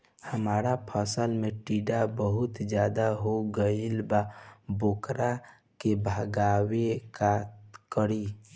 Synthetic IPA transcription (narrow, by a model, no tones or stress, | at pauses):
həmaːɾapʰəsəlmẽʈiːɖabəɦʊt̪d͡ʒjaːd̪aɦoɡəilbaboːkɾa | kebʱaɡaːwekat̪kəɾi